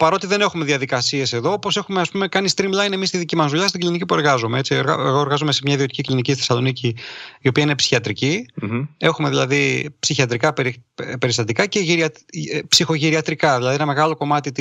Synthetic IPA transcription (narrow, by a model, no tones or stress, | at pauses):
pɐɾo̞t̪iðe̞ne̞xume̞ðiɐðikɐsie̞se̞ðo̞opo̞se̞xume̞ɐspume̞kɐnist̪ɾimblɐjne̞mist̪iðicimɐzðuʎɐst̪iɡlinicipue̞ɾɣɐzomee̞t͡sioɾeɣoe̞ɾɣɐzomese̞mɲɐiðio̞t̪iciklinicisesɐlo̞niciio̞piɐine̞psi̥çiɐt̪ɾici | e̞xume̞ðilɐðipsiçiɐt̪ɾikɐpeɾpe̞ɾist̪ɐt̪ikɐce̞ʝiɾiɐpsixo̞ʝiɾiɐt̪ɾikɐðilɐðienɐmeɣɐlo̞ko̞mɐt̪it̪